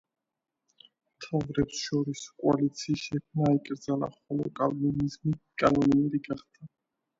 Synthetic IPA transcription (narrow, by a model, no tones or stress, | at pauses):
mt̪ʰavɾɛpsʃɔɾiskʼualit̪sʰiːsʃɛkʰmnaikʼɾd̪zalˠa̰χɔlˠɔkʼalminizmikʼanɔnɛmɛdiɡaχd̪̥a